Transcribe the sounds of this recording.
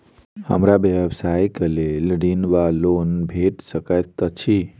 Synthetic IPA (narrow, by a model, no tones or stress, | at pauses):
hə̰mɾabjeʋsajkəlelɖinʋalonbʱeʈsəkəjt̪ːət͡ʃʰi